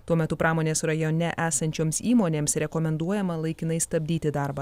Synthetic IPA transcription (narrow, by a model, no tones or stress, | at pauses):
t̪uɔmʲɛt̪ʊpɾɑːmoːnʲeːsɾɐjɔnʲɛʔæːsɐnʲt͡ʃʲoːmsiːmoːnʲeːmsɾʲɛkɔmʲɛnd̪uɔjɛmɐlˠɐɪkʲɪnɐɪst̪ɐbʲd̪ʲiːt̪ʲɪd̪ɑˑɾbɐ